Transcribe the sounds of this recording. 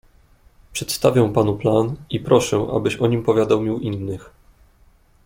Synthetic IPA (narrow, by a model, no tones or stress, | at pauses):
pʂɛt̪st̪avʲjɛw̃panuplanipɾɔʂɛ̃ʔa̰bɘɕɔɲimpɔvʲjad̪awmʲiwʔinːɘx